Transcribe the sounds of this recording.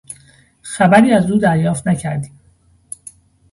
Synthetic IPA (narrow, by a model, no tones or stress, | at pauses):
xæbæɾiːæzuːd̪æɾjɒːft̪næcʰæɾd̪iːm